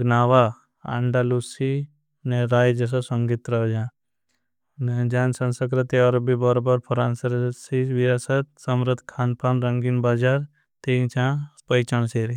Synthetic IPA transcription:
ɡnaːʋa | ã̰ːɳɖaːluːsi | neɾaːjd͡ʒɐs̬asɐŋɡit̪ɾɐɦd͡ʒã | ned͡ʒaːnsɐ̃nsəkɾɪt̪iɔːɾbʱibɔɾobəɾpʰɔɾaːnsɐɾsiʋijaːsət̪̚sɐmɾəd̪kʰaːnpaːnɾɐŋɡinbaːd͡ʒaːɾ | t̪eːt͡ʃãːpəjt͡ʃəɳ̃seːɾi

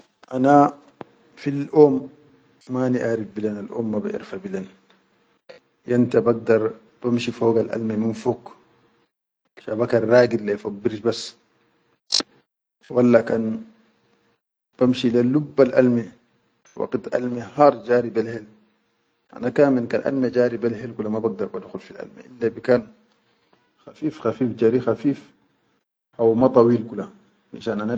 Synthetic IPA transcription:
ʔana | filʔoːmː | aniʔaːɾifbilanalʔoːmːaba̰ʔḭɾfabilan | jant̪abaɡ̚d̪ɑɾˤ | b̥amʃifoːɡalʔa̰lmiminfoːk | ʃabakaɾɾaːɡilːajfabːiɾʃbasː | walːakan | b̥amʃilalubːalʔa̰lmi | wa̰qt̪ʔa̰lmihɑːɾˤd͡ʒaːɾibilhel | ʔa̰nakaːminka̰ːnʔa̰lmad͡ʒaːɾibalɦelkulːamabaɡ̚d̪ɑɾˤbad̪xulfilʔa̰lmḭʔilːabikaːn | xafiːfxafiːfd͡ʒaːɾixafiːf | ʔawmat̪ˤɑwiːlkula | maʃaːnʔana

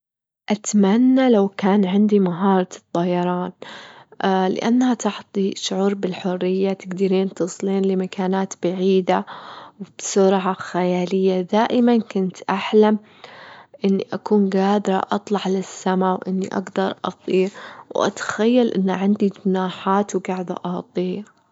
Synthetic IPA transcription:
ʔat̪manːalawkaːnʕɪnd̪imaɦɑːɾˤɑt̪ˤːɑjɑɾˤɑːn | lɪ̰ʔanːhat̪ɑħt̪ˤiʃʊʕuːɾbɪlħʊrːɪjːat̪ɪɡd̪ɪɾiːnt̪usˤliːnlɪmakʰaːnaːt̪baʕiːd̪awb̥sʊɾʕaxajaːlɪjːad̪aːʔɪmankʊnt̪ʔaħlam | ʔɪnːiʔakuːnɡaːd̪ɾˤɑ̰ʔɑt̪ˤlɑʕlɪsːamawʔɪnːḭʔa̰ɡd̪ɑɾˤʔɑ̰t̪ˤiːɾwʔa̰t̪ḁxajːalʔɪ̰nːaʕɪnd̪id͡ʒʊnaːħaːt̪wɡaʕd̪a̰ʔɑht̪ˤiː

